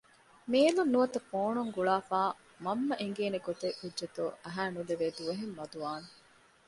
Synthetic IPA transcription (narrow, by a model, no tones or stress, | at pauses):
meːlunːuʋɐt̪ɐfoːɳuŋɡuɭaːfaː | mɐmːɐʔeŋɡeːneɡot̪eʔudʒɐt̪uɐɦæːnuleʋeːd̪uʋɐɦemːɐd̪uʋaːne